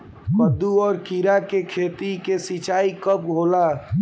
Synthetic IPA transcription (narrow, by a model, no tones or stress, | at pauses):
pəd̪ːuɔːɾkiɾakekʰeːt̪ikesit͡ʃaːikəpɡʱoːla